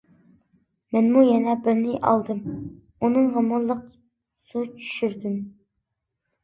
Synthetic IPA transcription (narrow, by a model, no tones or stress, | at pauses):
mɛnmujɛnɛbɪɾnɪʔɑ̰lˠd̪ɨm | unɨŋʁəmuɾlˠːəq̚ | sut͡ʃʰy̥ʃyɾd̪ym